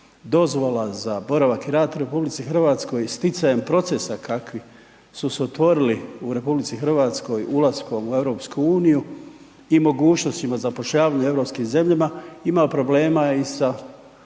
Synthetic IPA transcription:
d̪o̞zʋo̞lazabo̞ɾaʋakiɾaːd̪uɾe̞publit̪sixr̩ʋaːt̪sko̞jst̪it̪sajempɾo̞t̪sesakakʋi | susot̪ʋo̞ɾiliuɾe̞publit̪sixr̩ʋaːt̪sko̞julˠasko̞mue̞ʋɾo̞ːpskuuːniju | imo̞ɡuːt͡ʃno̞st̪imazapoʃʎaːʋaːɲue̞ʋɾo̞ːpskimze̞mʎamaimapɾo̞ble̞ːmaeisa

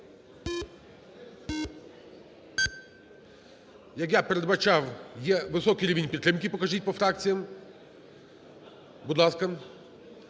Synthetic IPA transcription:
jɐkjapeɾed̪bɐt͡ʃɑwjɛʋɪsɔkiɾʲiʋʲinʲpʲit̪t̪ːɾɪmkʲɪpɔkɐʒit̚ʲpɔfɾɑk̚t͡sʲijɐm | bud̪lˠɑskɐ

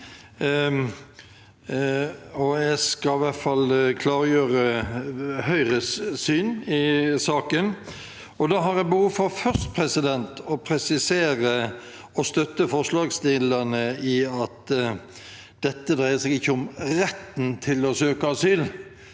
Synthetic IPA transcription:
ɔæɡskɑɪʋæt̪fɑlkʰlɑːɾjøːɾə | hœʏɾəssyːnɪsɑːkən | ɔd̪ɑːɦɑɾjæbəhuːʋfɔɾfœʁst̪pʰʁɛsɪd̪ɛnt̪ɔpʰɾɛsɪseːɾə | ɔst̪œt̪ːəfɔʁʂlɑːɡst̪ɪlənəɪɑt̪ | d̪̥ɛt̪ːəd̪ɾæɪəsɛɡɪçːəʊmɾɛt̪ːn̩t̪ʰɪlɔsøːkəɑsyːl

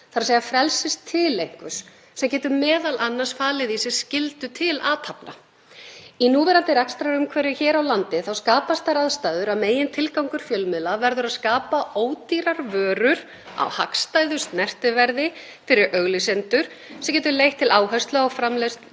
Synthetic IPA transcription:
θaɾaseːjafɾɛlsɪst̪ʰːɪlejŋ̥kʏs | sɛmcɛːt̪ʏmɛːðalʔanːasfaːlɪðisɪ̥scɪlt̪ʏt̪ʰɪlaːt̪ʰapna̰ | inuːvɛːɾant̪ɪɾɛkst̪ɾaɾʏmkʰvɛːɾɪçɛːɾawlant̪ɪθawskaːpast̪θaɾaðst̪aːðʏɾaðmeːjɪnt̪ʰɪlkawŋkʏɾ̥fjœlmɪlavɛɾðʏɾaðskaːpaoːwt̪iɾaɾvœːɾʏɾ̥ | a̰whakst̪ajðʏst̪nɛr̥t̪ɪvɛɾðɪ | fɪɾɪɾʔœɣlɪsɛnt̪ʏɾ̥ | sɛmcɛːt̪ʏɾlejht̪ʰːɪlaːwɦœst̪lœɣɔɣfɾamlɛst̪

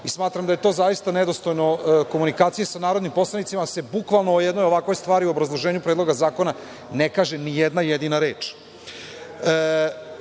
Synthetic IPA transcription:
ismaːt̪ɾamd̪aje̞t̪o̞ːzajist̪aned̪o̞st̪o̞jnoko̞munikaːt̪sijesanaːɾod̪nimpo̞slˠanit̪simase̞bukʋalˠnoojɛd̪nojo̞ʋakʋo̞jst̪ʋaːɾiuo̞bɾazlˠoʒeːɲupɾed̪lo̞ɡazaːko̞na | nekaːʒenijed̪najed̪inaɾe̞ːt͡ʃ

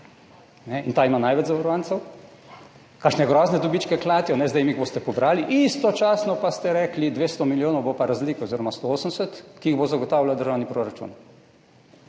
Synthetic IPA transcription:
nɛint̪aːimanajʋɛd͡ʒzaʋɐɾɔʋaːnt̪sɛw | kaʃnɛɡɾɔːznɛd̪ɔbit͡ʃkɛklaːt̪iɔnɛzd̪ɛjmiɣbost̪ɛpɔbɾaːliʔist̪ɔt͡ʃaːsnɔpast̪ɛɾɛklid̪ʋeːst̪ɔmiljoːnɔwbopaɾazliːkoziɾɔmast̪ooːsəmsɛt̪kiiɣbozaɡɔt̪aːwlawd̪əɾʒaːwnipɾoɾat͡ʃṵn

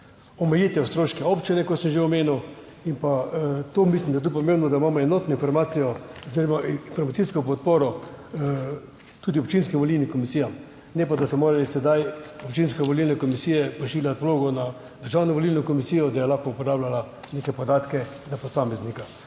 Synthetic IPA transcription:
ɔmɛjit̪ɛwst̪ɾoːʃkɛopt͡ʃinɛkɔt̪səmʒeɔmeːnuw | impat̪oːmislʲimd̪ajet̪upɔmeːmbnɔd̪aimamɔɛnɔːt̪nɔinfɔɾmaːt̪sijɔɔziɾɔmainfɔɾmat̪siskɔp̬ɔt̪̚poːɾɔ | t̪ud̪iɔpt͡ʃinskimʋɔlilnikɔmisiːjam | nɛpad̪asɔmoːɾalisɛd̪ajɔpt͡ʃinskɛʋolilnɛkɔmisiːjɛpɾɛʃiːljat̪ʋloːɡɔna | d̪əɾʒaːwnɔʋolilnɔkɔmisiːjɔd̪ajɛlaxkɔupɔɾablala | nekɛpɔd̪aːt̪kɛzapɔsaːmɛznika

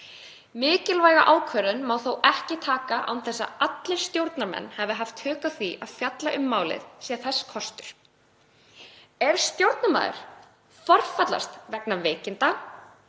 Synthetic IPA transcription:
mɪːcɪlvaːjɣaʔaːwkʰvœːɾʏnmaːwθowʔɛhcɪt̪ʰaːkaʔa̰wnθɛsːa̰at̪lɪɾ̥st̪jowɾt̪naɾmɛ̰nːhɛvɪɦaft̪hʏːkaθiʔaðfjat̪laʔʏmːaːwlɪ̰ðsjɛθɛsːkʰɔst̪ʏɾ̥ | ɛɾ̥st̪jowɾt̪nama̰ːðʏ̰ɾ̥ | fɔr̥fat̪la̰st̪vɛknaveːcɪnt̪a

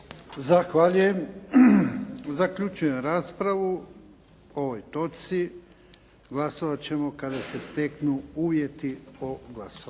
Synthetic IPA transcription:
zaxʋaʎuje̞m | zakʎut͡ʃuje̞mɾaːspɾaʋu | o̞ʋojt̪o̞t̪si | ɡlˠasoʋat͡ɕe̞mo̞kad̪ase̞st̪eknuuːʋje̞t̪ioɡlˠaso

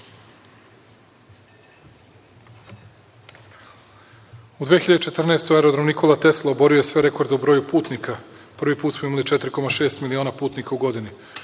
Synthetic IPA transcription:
ud̪ʋeːxiʎad̪et͡ʃet̪r̩naest̪oeɾod̪ɾamnikʰo̞lˠat̪e̞slˠoːbo̞ɾio̞jesʋe̞ɾe̞ko̞ɾd̪eubɾojupuːt̪nikapr̩ʋipuːt̪smoimalit͡ʃɛt̪ɾiko̞maʃe̞ːst̪milio̞ːnapuːt̪nikauɡo̞d̪ini

